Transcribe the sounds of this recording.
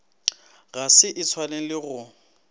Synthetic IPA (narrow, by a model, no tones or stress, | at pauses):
ɣasɪʔɪt͡sʰwaleŋ̩lɪɣʊ